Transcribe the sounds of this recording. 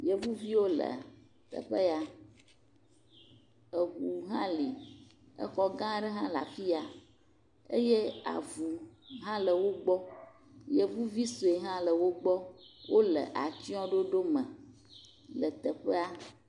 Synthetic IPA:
jə˨vu˦vi˦wo˦lə̰˨ | t̪ə̰˨ɸə˦a˨ | ə˨ɣu˨ɦã˦li˨ | ə̰˦xɔ˦ɡã˦ɖə˦ɦã˦la̰˨fi˦a˨ | ḛ˦je˦a̰˨vu˨ɦã˦lə˨wo˦ɡ͡bɔ˦ | jə˨vu˦vi˦so˨e˨ɦã˦lə˨wo˦ɡ͡bɔ˦wʔo˦lə̰˨ʔa˨t͡ʃi˦ɔ̃˦ɖo˦ɖo˦mə̃˨ | lə˨t̪ə˨ɸə˦a˦

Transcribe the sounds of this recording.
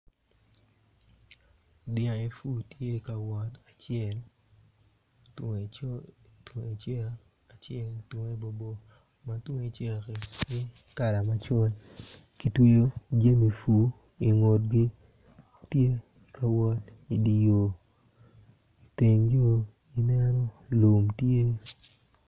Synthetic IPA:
dɪ˨ã˨e˨fu˦tje˦i˨ka˨wɔ˨ta˨t͡ʃɪɛ˦˨l | t | ti˨t͡ʃɛ˦ | a˨t͡ʃjɛ˦ltwo˨ŋe˦bo˨bo˨ | ma˨two˦e˦˨t͡ʃe˦ki˨kɪ˦ka˨la˨ma˦t͡ʃɔ˦lki˨twe˦jo˦d͡ʒe˦mi˨fu˨ | i˨ŋo˨tɡɪ˦ | tje˦ | i˨kʰa˨wɔ˦ti˨di˨jo˨ | i˨te˨ŋd͡ʒo˦ | i˦nɛ˦nɔ˦lu˨mtje˦

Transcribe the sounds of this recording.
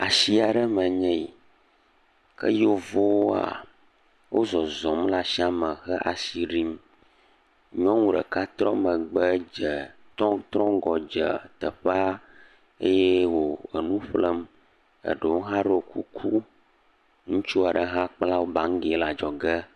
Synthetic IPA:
a˨si˦a˨ɖə˦mə˨ɲɛ̃˦i˨ | kə̰˦jo˦vo˦wo˦a̰˨ | wo˦zɔ˨zɔ˨mla˨si˦a˨mə̃˨xə˦ʔa˨si˨ɖi˦m | ɲɔ̃˦ŋũ˦ɖə̰˨ka˦t̪ɾɔ̃˦mə̃˨ɡ͡bə˦d͡ʒə˨t̪ɔ̃˦t̪ɾɔ̃˦ɡɔ˨d͡ʒə˨t̪ə˨ɸɛ˦a˦ | e˦je˦wo˨ə˨nũ˦ɸlə˦m | ə̰˨ɖə˨wo˦ɦã˦ɖo˦o˨kʰu˦kʰu˦ | ŋũ˦t͡ʃu˦a˨ɖə˦ɦã˦k͡pla˦wo˦bã˨ŋ˦ɡe˨˦la˨d͡ʒɔ˨ɡə˦

